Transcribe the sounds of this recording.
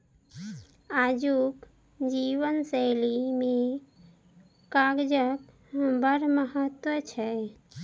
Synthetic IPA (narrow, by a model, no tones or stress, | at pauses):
ad͡ʒuk | d͡ʒiʋənsəlime | kaɡd͡ʒək | bəɾməɦət̪wət͡ʃʰɛ